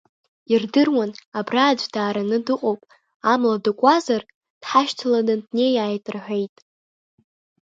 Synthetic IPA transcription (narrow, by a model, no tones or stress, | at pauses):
irdɨrwanabraːd͡ʒʷdaːɾanɨdɨqʼowpʼ | amladɨkʷʼazar | d̥ħaʃtʰaladandne̞jaːjtʼɨrħʷᶣe̞jtʼ